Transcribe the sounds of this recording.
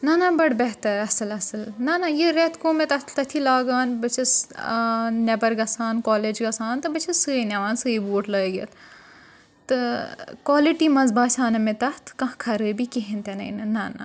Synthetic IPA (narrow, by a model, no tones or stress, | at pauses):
nɐnɐbɐɽbɛɦt̪ɐɾɐsɨlɐsɨlnɐnajiɾet̪koːmet̪ɐt̪ʰt̪ɐt̪ʰilaːɡaːnbɐt͡ʃʰɐs | nɛbɐɾɡɐsaːnkɔːleːd͡ʒɡɐsaːnt̪ɨbɐt͡ʃʰisɨːnɐʋaːnsɨːibuːʈlɐːɡḛt̪ʰ | t̪ɨkwaːliʈiːmɐzbaːsʲaːnɐmẽt̪ɐt̪ʰkɐ̃kʰɐɾɨːbikiɦĩnt̪enɐ̰jnɨnɐnɐ̰